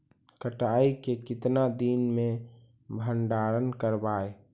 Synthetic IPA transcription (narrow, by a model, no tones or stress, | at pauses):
kəʈaːikekɪt̪nad̪inmẽ | bʱəɳɖaɾənkəɾbaːe